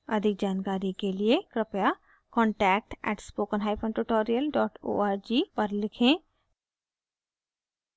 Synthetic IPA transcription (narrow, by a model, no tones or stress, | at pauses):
əd̪ʱɪk̚d͡ʒaːnkaːɾikelɪekɾɪpja | kɔ̃ːɳʈɛːk̚ʈɛ̰ːʈspoːkənɦaːipʰə̃ɳʈuʈoːɾijəlɖɔːʈo̰ːaːɾd͡ʒiːpəɾlɪkʰẽː